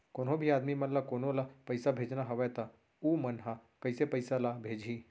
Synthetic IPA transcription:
koːnɦõbʱiaːd̪mimɐnlakoːnõlapɐɪsabʱeːd͡ʒnaɦɐʋɛt̪a | uːmɐnɦakɐɪsepɐɪsalabʱeːd͡ʒʱiː

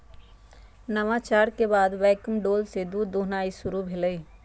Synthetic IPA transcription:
nəmat͡ʃaːɾkebaːd̪ʋɛːkəmɖoːlsed̪uːd̪oːɦnaːisʊɾubʱeləi

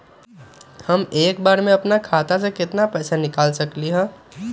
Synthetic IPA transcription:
hɐmeːkbaːɾmẽɐpnakʰaːt̪as̬ekɪt̪napɛːsanɪkaːlsɐkliɦɛ̃ː

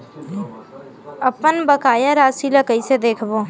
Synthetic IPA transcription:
ɐpənbəkaːjaɾaːsiləkəised̪eːkʰboː

